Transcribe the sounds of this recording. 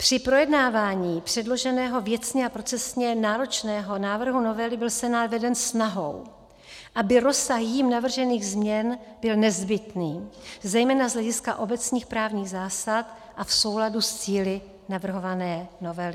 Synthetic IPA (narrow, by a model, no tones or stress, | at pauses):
pr̝̥ɪpɾo̞jɛdnaːvaːɲiːpr̝̥ɛdlo̞ʒɛnɛːɦo̞vjɛt͡sɲɛapɾo̞t͡sɛsɲɛnaːɾo̞t͡ʃnɛːɦo̞naːvr̩ɦuno̞vɛlɪbɪlsɛnaːd̪vɛdɛnsnaɦo̞̰w | ʔabɪɾo̞saxjiːmnavr̩ʒɛniːɣzmɲɛn | b̥ɪlnɛzbɪt̪niːzɛjmɛːnazlɛɟɪska̰ʔo̞bɛt͡sɲiːxpɾaːvɲiːɣzaːsat̪ | ʔafso̞wladust͡siːlɪ | navr̩ɦo̞vanɛːno̞vɛlɪ